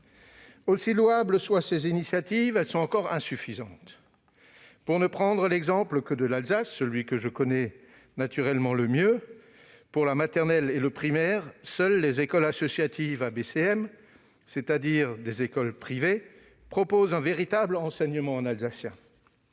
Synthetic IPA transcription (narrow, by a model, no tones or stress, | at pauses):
osilwabləswasezinisjat̪ivɛlsɔ̃ɑ̃kɔʁɛ̃syfizɑ̃t̪ | puʁnəpχɑ̃d̪ʁəlɛɡzɑ̃pləkəd̪əlalzasːəlɥikəʒəkɔnɛ | nat̪yʁɛlmɑ̃ləmjø | puʁlamat̪ɛʁnɛleləpχimɛʁsœlːezekɔlasɔsjat̪ivabeseɛm | set̪ad̪iʁd̪ezekɔlpχive | pχɔpozɛ̃veʁit̪ablɑ̃sɛɲəmɑ̃ɑ̃nalzasjɛ̃